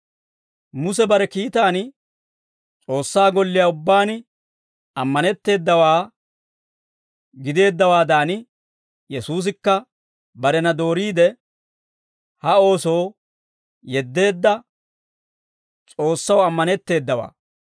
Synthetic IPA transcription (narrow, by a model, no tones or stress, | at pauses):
mʊsɛbɐɾɛkiːt̪aːn | t͡sʼo̞ːsːaːɡɔlːɪjaːʊbːaːn | ɐmːɐnɛt̪ːe̞ːd̪ːɐwaː | ɡɪd̪e̞ːd̪ːɐwaːd̪aːnɪ | jɛsuːs̬ɪkːɐ | bɐɾɛnɐd̪o̞ːɾiːd̪ɛ | hɐo̞ːso̞ː | jɛd̪ːe̞ːd̪ːɐ | t͡sʼo̞ːsːɐwɐmːɐnɛt̪ːe̞ːd̪ːɐwa̰ː